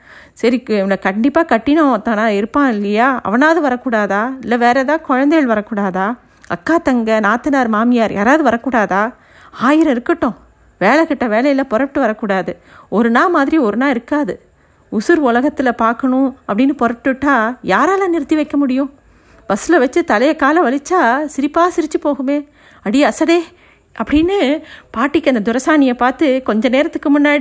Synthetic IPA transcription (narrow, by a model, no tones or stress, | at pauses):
sɐɾikːɯɛʋɐnɐkɐɳɖɪpːaːkɐʈːɪnɐ̃t̪ːãːnaːɪɾɯpːãːɪlːɐjaːɐ̰ʋɐnaːðɯʋɐɾɐkːuːɽaːðaːɪlːɐʋeːɾɛt̪ãːkɔɻɐnd̪ɐjɐɭʋɐɾɐkːuːɽaːðaː | ɐ̰kːaːt̪ɐŋɡɐnaːt̪ɯnaːɾmaːmɪjaːɾja̰ːɾaːʋðɯʋɐɾɐkːuːɽaːðaː | aːjɪɾɐ̃ɪɾɯkːɐʈːʊ̃ | ʋeːlɛkɪʈːɐʋeːlɐjɪlɐpɔɾɐpʈːɯʋɐɾɐkːuːɽaːðɯ | ɔɾɯnaːmaːðɪɾiɔɾɯnaːɪɾɯkːaːðɯ | ʊsʊɾʊlɐɣɐt̪ːɪlɐpaːɾkɐɳʊ̃ɐpːɐɽɪnːɯpɔɾɐʈːɯʈːaːjaːɾaːlãːnɪɾɯt̪ːiʋɐɪkːɐmʊɽɪjʊ̃ | bɐsɯlɐʋɐt͡ʃːɯt̪ɐlɐjɐkːaːlɐ̃ʋɐlɪt͡ʃːaːsɪɾɪpːaːsɪɾɪt͡ʃːɯpoːɣɯmeː | ɐɽɪjɐsɐðeː | ʔɐpːɐɽɪnːɯpaːɾʈːɪkːɯɐnd̪ɐd̪ʊɾɐsaːnɪjɐpaːɾt̪ɯkɔɲd͡ʒɐneːɾɐt̪ːɯkːɯmʊnːaːɽi